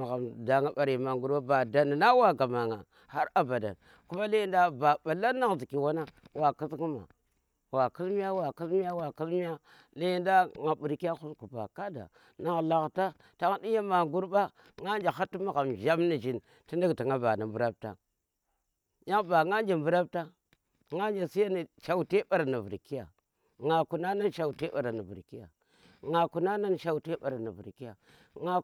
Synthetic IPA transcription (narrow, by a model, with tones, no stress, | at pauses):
ma˨ɣa˨mda˨ŋa˦ba˨ɾi˨ma˨ŋɡu˦ɾba˦ba˨da˨n˨na˦wa˦ɡa˨ma˨ŋa˨ | ha˦ɾa˨ba˨da̰˨n | ku˦ma˦le˦jnda˦ba˨ba˨la˦na˦ɣzi˨ki˨wa˦na˦wa˨ki˦zɡu˦ma̰˨ | wa˨ki˦lmi˦ja˦wa˨ki˦lmi˦ja˦wa˨ki˦lmi˦a˦ | la˦jnda˦ŋa˨bu˨ɾki˦a˦xu˦sku˨ba̰˨ka˦da̰˨ | na˦ɣla˨ɣta˦ | ta˦ŋa˦di˦ja˦ma˨ŋɡu˦ɾba˦ | ŋa˦nd͡ʒa˨a˦ti˦ma˦ɣa˨m˨ʒa˦mni˨d͡ʒi˨n | ti˦ndi˦ɡti˨ŋa˦ba˨na˨mbu˦ɾa˦b̚ta̰˨ | ja˦ŋba˨ŋa˦d͡ʒa˨mbu˦ɾa˦p̚ta˦ | ŋa˦d͡ʒa˨si˦ja˦ni˨ʃa˨wte˦ba˨ɾa˨na˨vṵ˨ɾki˦ja̰˨ | ŋa˨ku˨na˦na˦nʃa˨u˨te˦ɓa˨ɾa˨na˨vṵ˨ɾki˦ja̰˨ | ŋa˨ku˨na˦na˦nʃa˦˨u˨te˦ɓa˨ɾa˨na˨vṵ˨ɾki˦ja˨ | ŋa˦